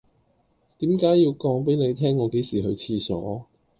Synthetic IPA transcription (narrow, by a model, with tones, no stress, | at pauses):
t̪iː˨˥mkaː˨˥ji˧wkɔː˨˥ŋp̬e˨˥ne˨˧jt̪ʰɛː˥ŋːɔː˨˧˥ke˨˥jsiː˨˩ɦɵ˨˧ɥt͡sʰiː˧sɔ̰ː˨˥